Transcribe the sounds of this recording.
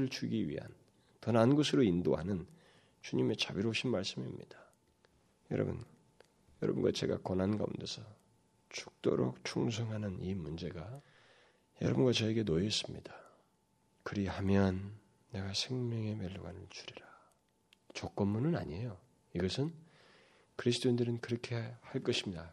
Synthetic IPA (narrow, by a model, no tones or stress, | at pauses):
ɯɭt͡ɕuɡiɥḭɦa̰n | tʌnanɡʌsʰɯɾoindo̰ɦanɯn | t͡ɕuɲime̞t͡ɕabiɾouɕʰinmaɭs͈ɯmimɲḭd̥ḁ | jʌɾʌ̰bɯ̰n | jʌɾʌ̰bunɡa̰t͡ɕe̞̰ɡa̰kʌnɦanɡa̰ṵnde̞sʰʌ | t͡ɕu̥k̚t͈o̰ɾo̰k̚t͡ɕʰuŋs̬ʰʌŋɦanɯnimund͡ʑe̞ɡa | jʌ̰ɾʌbunɡat͡ɕʌeɡe̞nojʌs͈ɯmɲid̥a | kɯɾihamjʌnː | e̞ɡasʰe̞ŋmjʌŋe̞meɭːuɡanɯɭt͡ɕuɾiɾa | t͡ɕok̚k͈ʌmːunɯna̰ɲiejo | iɡʌsʰɯn | kɯɾis̬ʰt͈oindɯɾɯnkɯɾʌkʰe̞haɭk͈ʌɕʰimɲida